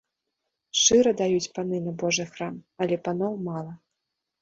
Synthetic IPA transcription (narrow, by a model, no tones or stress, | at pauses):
ʂɨɾɐd̪ajut͡sʲpanɨnɐbɔʐɨxramɐlʲɛpanɔwmalˠɐ